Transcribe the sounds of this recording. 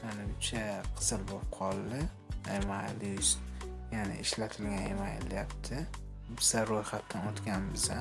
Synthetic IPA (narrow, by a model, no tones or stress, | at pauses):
anɪʊt͡ʃʰaqʰɨ̥sɨlbop̚qʰɒlˠd̪ɪ | emajlɪʃjanɪ̰ɪʃlat̪ʰɪlɡʲanemajlɪ̰jap̚t̪ʰɪ | bɪzaɾojχat̪ːanot̪kʲanbɪza